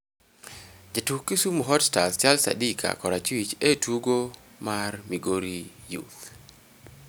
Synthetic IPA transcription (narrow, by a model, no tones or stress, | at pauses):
d͡ʒatukːisumuɦɔdstast͡ʃalsa̰dikʰa̰kɔɾat͡ʃwit͡ʃetuɡo | marmiɡoɾijṵt̪